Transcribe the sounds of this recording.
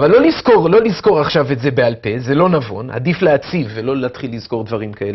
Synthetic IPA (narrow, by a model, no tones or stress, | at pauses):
avalːo̞lizko̞ʁlo̞lizko̞ʁaχʃavetze̞bealpe̞ze̞lo̞navo̞̰na̰difleat͡sivːelo̞leat̪χilːizko̞ʁd̪vaʁimkaele